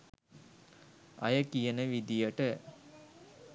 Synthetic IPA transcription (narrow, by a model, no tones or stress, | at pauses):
ɐ̰jəkijənəʋid̪ijəʈə